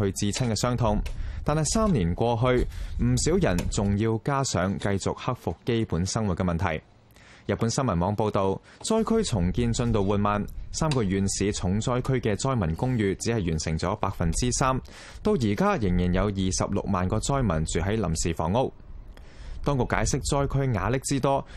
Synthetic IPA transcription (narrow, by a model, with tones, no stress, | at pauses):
hɵ˧ɥt͡siː˧t͡sʰɐ˥nkɛː˧sœː˥ŋt̪ʰʊ˧ŋt̪aː˨nhɐ˨jsaː˥mniː˨˩nkʷɔː˧ɦɵ˧ɥm̩˨˩siː˨˥wjɐ˨˩nt͡sʊ˨ŋjiː˧wkaː˥sœ̰ː˨˥ŋkɐ˧jt͡sʊ˨k̚hɐ˥k̚fʊ˨kːe˥jpuː˨˥nsɐ˥ŋwu˨t̚kɛ˧mɐ˨nt̪ʰɐ̰˨˩j | jɐ˨t̚pu˨˥nsɐ˥nmɐ˨˩mɔː˨˧ŋpo˧wt̪o˨w | t͡sɔː˥jkʰɵ˥ɥt͡sʰʊ˨˩ŋkiː˧nt͡sɵ˧nt̪o˨wuː˨˩t̚maː˨nsaː˥mkɔː˧jyː˨˧nsiː˨˧t͡sʰʊ˨˥ŋt͡sɔː˥jkʰɵ˥ɥkɛː˧t͡sɔː˥jmɐ˨˩nkʊ˥ŋjyː˧t͡siː˨˥hɐ˨˩jyː˨˩nsɪ̰˨˩ŋt͡sɔː˨˥paː˧k̚fɐ˨nt͡siː˥saː˥m | t̪o˧wjiː˨˩kaː˥jɪ˨˩ŋjiː˨˩njɐ˨˧wjiː˨sɐ̰˨p̚lʊ̰˨k̚maː˨nkɔː˧t͡sɔː˥jmɐ˨˩nt͡syː˨ɦɐ˨˥jlɐ̰˨˩msiː˨fɔ̰ː˨˩ŋːʊ˥k̚ | t̪ɔː˥ŋkʊ˨˩kːaː˨˥jsɪ˥k̚t͡sɔː˥jkʰɵ˥ɥŋa̰ː˨˧lɪ˥k̚t͡siː˥t̪ɔː˥